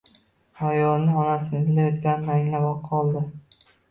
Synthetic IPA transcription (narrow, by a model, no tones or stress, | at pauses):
ajɒlnɪɒnasɪnɪzlajɒt̪kʲanɪnaŋʲlabɒqʰːɒlˠd̪ɪ